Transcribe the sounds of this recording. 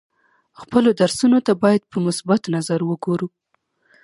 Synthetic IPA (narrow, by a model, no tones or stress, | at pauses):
xpəlod̪aɾsunot̪abɑjad̪̚pəmʊsbat̪nazaɾwəɡoɾu